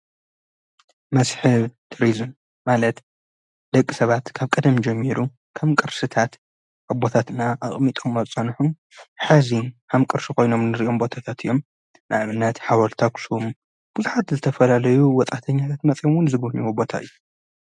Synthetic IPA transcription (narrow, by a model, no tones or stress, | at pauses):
mɐsħɨβt̪ʰɾizɨm | malɐt̪ | d̪ɐkʼːisɐβat̪kʰaβkʼɐd̪ɐmd͡ʒɐmːiɾu | kʰɐmkʼɨɾsɨt̪ʰat̪ | ʔabo̞t̪ʰat̪ɨnaʔaχʼmit̪ʼomɐt͡sʼɐnħum | ħazikʰamkʼɨɾsikʰo̞jno̞mnɨɾiʔo̞mbo̞t̪ʰat̪ʰat̪ɨjːo̞m | nʔa̰ʔβɨnːɐt̪ħawɐlt̪ʰaksum | b̥uzuħat̪zɨt̪ʰɐfɐlalɐjuwɔt̪ʼat̪ʰɐɲːat̪ʰat̪mɐt͡sʼjomwʊnzɨɡɐniwobo̞t̪ʰa̰ɨ̰jːu